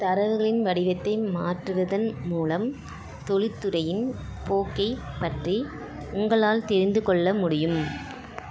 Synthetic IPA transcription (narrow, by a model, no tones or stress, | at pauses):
t̪ɐɾɐʋɯɣɐɭɪnʋɐɽɪʋɐt̪ːɐɪmaːʈrɯʋɐðɐnmuːlɐm | t̪ɔlɪt̪ːɯɾɐjɪnpoːkːɐɪ | pːɐʈri | ʊŋɡɐɭaːlt̪ɛɾɪnd̪ɯkɔɭːɐmʊɽɪjɯm